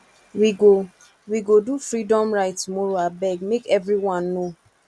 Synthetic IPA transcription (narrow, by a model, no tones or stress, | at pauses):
wiɡo | wiɡodufɹidɔ̃mɹaɪttumɔɹoabɛɡmekɛvɹiwɔ̃nːo